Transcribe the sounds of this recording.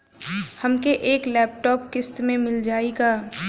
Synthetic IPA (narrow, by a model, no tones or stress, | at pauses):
hɐmkeʔeːklɛːp̚ʈɔːpkɪst̪mẽmɪld͡ʒaːiɡaː